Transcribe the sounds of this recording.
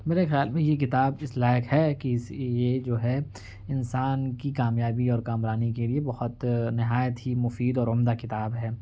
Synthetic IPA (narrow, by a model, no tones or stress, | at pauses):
meːɾexejaːlmẽjek̬ɪt̪aːbɪslaːjəkɦɛkisjed͡ʒoːɦɛ | ɪnsaːnkikaːmjaːbiɔːɾkaːmɾaːnikeliebɐhʊt̪nɪɦaːjət̪ɦimʊfiːd̪ɔːɾʊmd̪akɪt̪aːbɦɛː